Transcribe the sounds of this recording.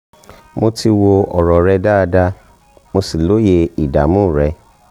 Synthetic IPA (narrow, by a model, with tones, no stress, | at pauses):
mo˧ti˧wo˧ɔ˨ɾɔ˨ɾɛ˧da˦˧da˧ | mo˧si˨lo˨˦je˧i˨da̰˨mũ˦˨ɾɛ˨˧˦